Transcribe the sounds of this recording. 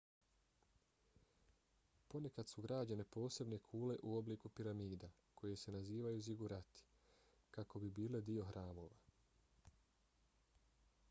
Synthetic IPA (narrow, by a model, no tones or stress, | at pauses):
po̞ne̞kad̪suɡɾaːd͡ʑane̞po̞ːse̞bne̞kʰuːle̞ʔuo̞bliːkupiɾamiːd̪a | ko̞je̞se̞naziːʋajuziɡuɾat̪i̥ | kako̞bibiːle̞d̪io̞xɾaːmo̞ːʋa